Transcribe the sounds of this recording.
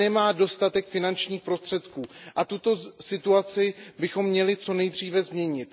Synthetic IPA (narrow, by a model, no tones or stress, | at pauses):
ɛmaːdo̞st̪at̪ɛkfɪnant͡ʃɲiːxpɾo̞st̪r̥ɛt̪kuːʔat̪ut̪o̞sɪt̪uat͡sɪbɪxo̞mːɲɛlɪt͡so̞nɛjd̪r̝iːvɛzmɲɛɲɪt̪